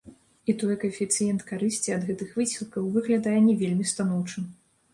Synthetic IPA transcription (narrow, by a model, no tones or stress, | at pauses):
it̪ɔjkɐfʲit̪sɨjɛnt̪kaɾɨsʲt͡sʲiɐd̪ɣɛt̪ɨxvɨsʲilˠkɐwvɨɣlʲad̪ajɛnʲɛvʲelʲmʲist̪anɔwt͡ʂɨ